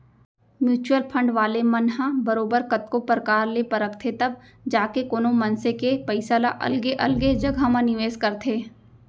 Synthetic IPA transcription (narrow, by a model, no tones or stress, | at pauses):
mjuːt͡ʃuəlpʰə̃ɳɖʋaːlemɐnɦãbɐɾoːbəɾkɐt̪̚kopɾəkaːɾlepɐɾəkʰt̪ʰet̪ɐb̚ | d͡ʒaːkekoːnomɐ̃nsekepɐɪsalaʔɐ̰lɡeʔɐ̰lɡed͡ʒɐɡʱamãnɪʋeːskɐɾt̪ʰeː